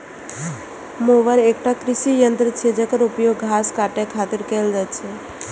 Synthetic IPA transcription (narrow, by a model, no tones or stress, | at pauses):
moʋəɾek̚ʈakɾɪʃijənt̪ɾət͡ʃʰɛd͡ʒekəɾupjoɡɡʱaskaʈekʰat̪iɾkɛld͡ʒat͡ʃʰɛ